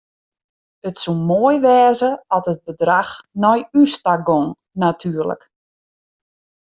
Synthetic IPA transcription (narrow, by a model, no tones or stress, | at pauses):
ətsumoəjʋɛːzəɔtəd̚bədraxnɔjystaɡoŋ | natʰyːərlə̰k